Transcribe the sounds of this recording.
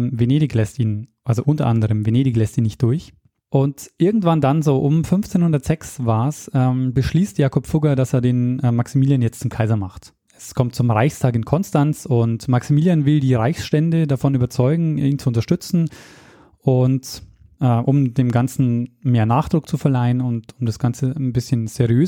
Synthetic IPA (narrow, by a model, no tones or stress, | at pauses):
veneːɾɪçlɛstiːnʔalzoʔʊntɐʔandəʁəmveneːɾɪçlɛstiːnɪçt̚d̥ʊɐç | ʔʊntʔɪɐɡŋ̩tv̥andanzoːʔʊmfʏnft͡seːnhʊndɐtz̥ɛksvaːɐsɛːmbəʃliːstjaːkʰɔpfʊɡɐdaseːɐdeːnʔɛmaksimiːljanjɛt͡stt͡sʊmkʰaɪzɐmaχt | ɛskʰɔmt̚t͡sʊmʁaɪçstʰaːkɪnkʰɔnstant͡sʊntmaksimiːljanvɪldiːʁaɪçsʃtɛndədafɔnyːbɐt͡sɔʏɡŋ̩iːnt͡suʊnt̬ɐʃtʏt͡sn̩ | ʔʊnt | ʔɛːʔʊmdeːmɡant͡sn̩meːɐnaːχd̥ʁʊk̚t͡sufɛɐlaɪənʊntʊmdasɡ̥ant͡sənbɪsçənz̥eʁiøː